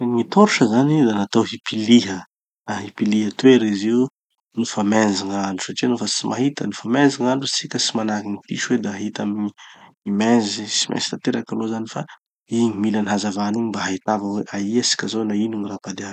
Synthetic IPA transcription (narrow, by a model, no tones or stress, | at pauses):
ŋit̪oɾuʃəzanid̪anat̪owɦipiliɦə | aɦipiliɦət̪weɾeziw | nifamend͡ziŋaɳɖ͡ʐusaʈ͡ʂinofat͡simʔa̰ɦit̪ənifamend͡ziŋaɳɖ͡ʐut͡sikʲəsimanakinipiʃuwed̪aaɦit̪amiɲi | imezisimʔḛz̥i̥t̪at̪eɾakalozanifa | imilaniɦazavaniɲimbaɦaɦit̪avəweʔaiasi̥kʲazonainuŋirapad̪eḁ